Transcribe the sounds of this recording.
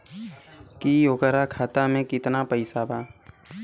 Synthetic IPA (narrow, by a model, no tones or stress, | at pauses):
kijoːkəɾakʰaːt̪amẽkɪt̪napəɪsabaː